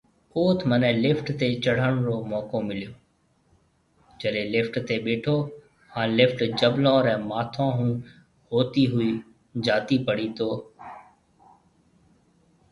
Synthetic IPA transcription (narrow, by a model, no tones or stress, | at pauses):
oːt̪ʰmənɛ̃ːlɪfʈt̪eːt͡ʃəɽ̤əɽ̃ɾoːmɔːkomɪlijoː | d͡ʒəɗẽlɪfʈt̪eɓeːʈʰoː | hãːlɪfʈd͡ʒəblõːɾɛ̃ːmaːt̪ʰãːɦũː | ɦoːt̪iɦʊiː | d͡ʒaːt̪ipəɽ̤it̪ʰoː